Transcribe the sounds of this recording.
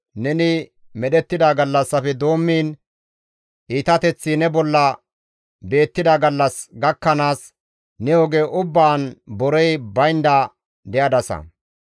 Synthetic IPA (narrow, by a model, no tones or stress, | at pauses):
nɛnɪ | mɛɗɛt̪ːɪd̪aɡɐlːɐsːɐfɛd̪o̞ːmːiːn | ʔiːt̪ɐt̪ɛt͡sːinɛbɔlːɐ | be̞ːt̪ːɪd̪ɐɡɐlːɐsɡɐkːɐnaːs | nɛjoːɡeːʔʊbːaːnbɔɾɛjbɐjnd̪ɐ | d̪ɛjɐd̪ɐsɐ̰